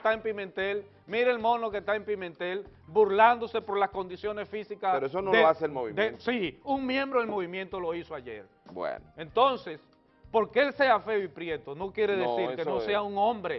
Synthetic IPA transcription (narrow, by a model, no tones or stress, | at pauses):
t̪aempimẽnt̪e̞l | miɾeelmõ̞no̞kest̪aempimẽnt̪e̞lbuɾland̪o̞se̞po̞ɾlasko̞nd̪isjo̞nesfisikaseɾoesonoeaselmoβḭd̪esiuŋmjẽ̞mbɾoðelmo̞β̞imjẽ̞nt̪o̞lo̞isoaʝe̞ɾ | bwḛnoent̪o̞nse̞s | po̞ɾkeelse̞afe̞ipɾje̞t̪ono̞kje̞ɾeðesiɾkenose̞auŋõmbɾe